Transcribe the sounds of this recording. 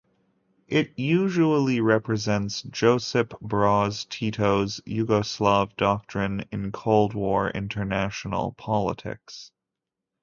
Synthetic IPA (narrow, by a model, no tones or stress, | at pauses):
ʔɪt̚jʉʒəl̩ˠiɹɛpɹɨzɛ̃ntsd̥ʒ̥oʊsɨpb̥ɹɔz̥tʰiɾoʊzjʉɡoslɑvdɑk̚tɹ̥ɨ̃nɪ̰̃nkʰoʊlˠd̚wɔɹɪ̰̃ntʰə˞næʃn̩l̩ˠpʰɑlˠə̰tʰɪ̰ks